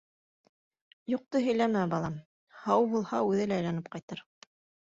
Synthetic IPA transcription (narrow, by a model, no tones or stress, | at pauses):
juq̚t̪ɤɦɵ̆jlæmæbɑlˠɑm | hɑwbulˠhɑʉðɘlæːjlænɘp̚qɑjt̪ɤɾ